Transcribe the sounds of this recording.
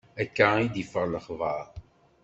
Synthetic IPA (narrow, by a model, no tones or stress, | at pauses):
ækːaid̪ifəʁləχvəˤ